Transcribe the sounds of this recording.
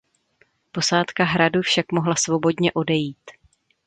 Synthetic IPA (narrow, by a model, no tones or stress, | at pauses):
po̞saːt̪kaɦɾadufʃakmo̞ɦlasvo̞bo̞dɲɛʔo̞dɛjiːt̪